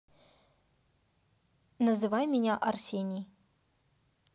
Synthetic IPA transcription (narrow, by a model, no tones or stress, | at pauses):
nəzɨvajmʲɪnʲaʔɐrsʲenʲij